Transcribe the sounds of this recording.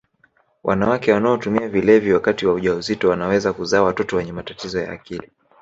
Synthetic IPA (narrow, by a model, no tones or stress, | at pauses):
wʔa̰nawakɛwanaɔtumiavilɛvjiwakatiwauʄauzitɔwanawɛzakuzaːwatɔtɔwɛɲɛmatatizɔja̰ːkili